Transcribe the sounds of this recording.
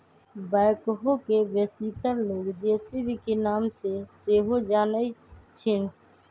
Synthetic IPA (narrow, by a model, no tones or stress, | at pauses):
baɪkɦokebesikəɾloɡd͡ʒeːsebʱikenaːmseseɦod͡ʒaːnəɪt͡ʃʰɪn